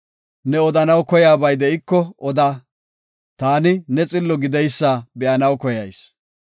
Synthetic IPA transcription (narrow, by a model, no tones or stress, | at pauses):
nɛɔd̪ɐnɐwkɔjaːbɐjd̪ɛɪkːɔɔd̪aː | t̪aːnɪnɛt͡sʼɪlːɔɡɪd̪ɛjsːaːbɛʔɐnɐwkɔjɐjs